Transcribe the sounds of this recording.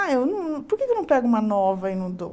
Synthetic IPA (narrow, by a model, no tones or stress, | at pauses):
aewnɐ̃w̃ñpoɾkekewnɐ̃w̃pɛɡʊũmɐnɔvɐinɐ̃w̃d̪o̰